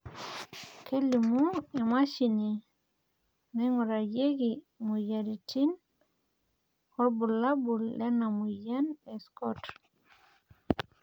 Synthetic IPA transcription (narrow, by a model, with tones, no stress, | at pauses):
kʰe˦li˨mu˦e˨ma˦ʃi˨ni˨ | nɛ˦ŋɔ˨ɾa˨je˦ɡi˨ | mu˨ja˨ɾi˨ti˦n | kɔ˦ɾbu˨la˦bu˨lːe˦na˨mu˨ja˦ne˨skɔ˦t